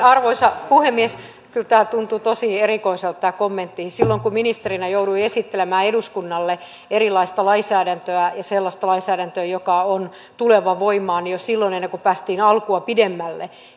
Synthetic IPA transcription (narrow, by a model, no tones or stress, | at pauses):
ɑrʋoisɑpuhemːies | kylt̪æːt̪unt̪ut̪osierikoiselt̪t̪æːkomːent̪ːihisilːoŋkuminist̪erinæjouduiesit̪ːelemæːeɾuskunːɑlːe | erilˑɑist̪ɑlɑisæːɾænt̪øæjɑselːɑst̪ɑlɑisæːɾænt̪øjokɑon | t̪uleʋɑʋoimˑɑːnjosilːonenːeŋkupæːst̪iːnɑlkuɑpidemːælːe